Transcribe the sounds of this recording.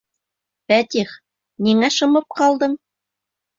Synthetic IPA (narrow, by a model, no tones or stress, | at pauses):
fæt̪ʲiχ | niŋæʃɤ̆mɤp̚qɑlˠd̪ɤɴ